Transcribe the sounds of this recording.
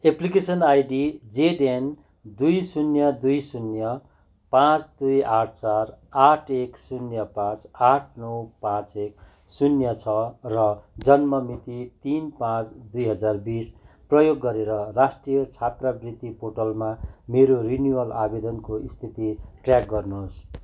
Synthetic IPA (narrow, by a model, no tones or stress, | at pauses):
eplikesʌnajɖid͡zeɖen | d̪ujsunjʌd̪ujsunjʌ | pãt͡sd̪ujaʈ̚ʰt͡saraʈʰeksunjʌpãt͡saʈʰnʌwpãt͡sek̚ | sunjʌt͡sʰʌrʌd͡zʌnmʌmit̪it̪inpãt͡sd̪ujɦʌd͡zarbis | prʌjoɡːʌɾeɾʌrasʈrijʌt͡sʰat̪rʌbrit̪ipoʈʌlmameɾorinjuwʌlabed̪ʌnkoist̪ʰit̪iʈrjak̚ɡʌrnus